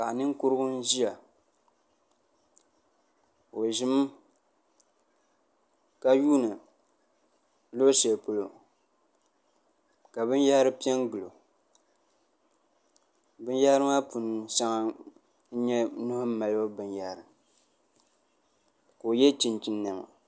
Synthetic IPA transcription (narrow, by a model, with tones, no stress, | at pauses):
ka˨ʔnɨ˦ŋ˦kʊ˦ɾɨ˦ɡʊ˦n˦ʒi˦ja˨ | o˨ʒi˦m˦ | ka˨juː˦nɨ˨ | lo˦se˨po˦lo˨ | ka˨bɨ˦n˦ja˦ɾɨ˦pi˦ɛ˦ŋɡɨ˨lo˨ | bɨ˦n˦ja˦ɾɨ˦ma˦pu˨n˨sa˦ŋa˨ | n̩˦ɲɛ˦nʊ˦hʊ˦m˦ma˨lo˦bɨ˨nja˨˦ɾɨ˨m | ko˨jɛ˦t͡ʃi˨nt͡ʃi˨nːa˨ma̰˨